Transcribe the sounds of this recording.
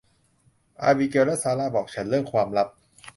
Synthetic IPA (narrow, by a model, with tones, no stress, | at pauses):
ʔa̰ː˧biː˧ke˧wlɛ˦˥ʔsaː˧laː˧˥˩bɔː˨˩k̚t͡ɕʰa˦˥nlɯ˥˩əŋkʰwaː˧mla˦˥p̚